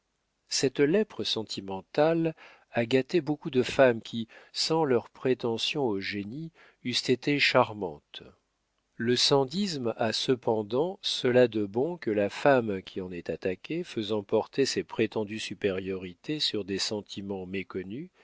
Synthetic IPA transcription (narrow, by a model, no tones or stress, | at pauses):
sɛt̪lɛpχəsɑ̃t̪ʰimɑ̃t̪al | aɡat̪ebokud̪əfamkʲisɑ̃lœʁpχet̪ɑ̃sjɔ̃oʒeni | yst̪et̪eʃaʁmɑ̃t̪ | ləsɑ̃d̪ismasəpɑ̃d̪ɑ̃səlad̪əbɔ̃kəlafamkʲʰiɑ̃nɛt̪at̪akʲʰefəzɑ̃pɔʁt̪esepχet̪ɑ̃d̪ysypeʁjɔʁit̪esyʁd̪esɑ̃t̪ʰimɑ̃mekɔny